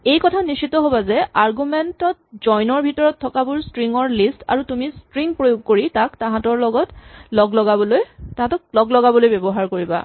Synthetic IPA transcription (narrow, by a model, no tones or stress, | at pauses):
ejkɔtʰanisitɔɦobazɛʔaɹɡumɛntɔt̚zɔjnɔɹbʱitɔɹɔtʰːɔkabuɹstɹiŋɔɹlista̰ɹutumistɹiŋpɹojuɡ̚koɹitaktãɦãtɔɹlɔɡɔtlɔɡlɔɡabɔlojtaɦãtɔk̚lɔɡlɔɡabɔlojbebɔɦaɹkoɹiba̰